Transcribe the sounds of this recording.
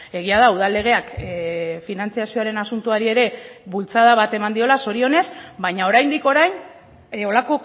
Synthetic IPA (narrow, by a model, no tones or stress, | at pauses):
e̞ɣ̞iað̞auð̞alːe̞ɣ̞e̞ak | finant͡siasio̞aɾe̞nasunt̪uaɾie̞ɾe̞βult͡sað̞aβat̪e̞mand̪io̞laso̞ɾio̞ne̞sbajɲao̞ɾajnd̪iko̞ɾajn | o̞lako̞